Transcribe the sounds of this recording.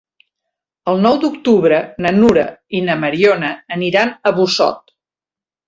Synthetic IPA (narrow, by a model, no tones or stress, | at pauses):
əlˠnɔwd̪uk̚t̪uβɾənənuɾə̰inəməɾionəːniɾanəβusɔ̰t̪̚